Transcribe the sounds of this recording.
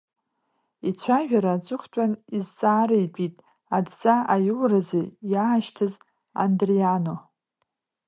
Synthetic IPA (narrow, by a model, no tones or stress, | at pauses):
it͡ɕʷʰaʒᶣaɾat͡sʷʼʊχʷtʷʼanizt͡sʼaːɾejpʼitʼ | adt͡sʼaajuwrazejaʃtʰɨz | a̰ndriano̞